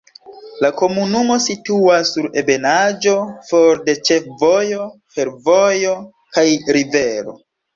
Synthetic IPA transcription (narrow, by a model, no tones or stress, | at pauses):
lako̞munumo̞situasːuɾḛbe̞nad͡ʒo̞foɾde̞t͡ʃe̞fvo̞jo̞ | fe̞ɾvojo̞ | kajɾiveɾo̞̰